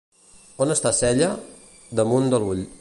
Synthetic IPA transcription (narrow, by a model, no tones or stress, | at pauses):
onəst̪asɛʎə | d̪əmund̪əluʎ